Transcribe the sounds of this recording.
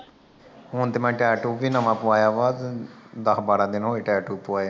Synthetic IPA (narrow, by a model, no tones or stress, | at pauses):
ɦʊnt̪eːmɛ̃ːʈɛːʈuːʋiːnəmãːpʊaːjaːʋaːd̪d̪əkbaːɾãːd̪ɪnɦoːeːʈɛːʈuːpʊaːjaː